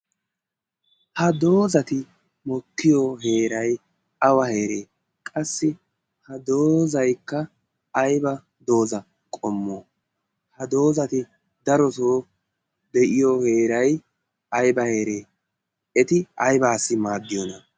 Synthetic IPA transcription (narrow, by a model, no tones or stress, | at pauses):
hɐd̪o̞ːzɐt̪ɪ | mɔkːɪjɔɦe̞ːɾɐj | ɐwɐheːɾeː | kʼɐsːɪ | hɐd̪oːzɐjkːɐː | jbɐ | d̪o̞ːzɐ | kʼɔmːoː | hɐd̪o̞ːzɐt̪ɪ | d̪ɐɾɔsoː | d̪ɛʔɪjohe̞ːɾɐj | ɐjbɐhe̞ːɾe̞ː | ɛt̪ɪɐjbaːsːɪmaːd̪ːɪjɔnɐ